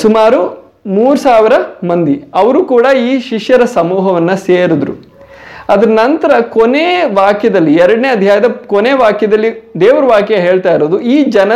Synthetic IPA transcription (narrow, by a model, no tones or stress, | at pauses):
sumaːɾu | muːɾusaːʋiɾɐmɐnd̪iɐʋɐɾukuːɽɐiːʃiʂjɐɾɐsɐmuːɦɐʋɐnːɐseːɾud̪ɾṵ | ɐd̪ɐɾɐnɐnt̪ɐɾɐkoneːʋaːkjɐd̪ɐlːiɛɾɐɽɐneɐd̪ʱjaːjɐd̪ɐkoneːʋaːkjɐd̪ɐlːid̪eːʋɐɾɐʋaːkjɐɦe̞ːɭt̪aːjiɾoːd̪uiːd͡ʒɐnɐ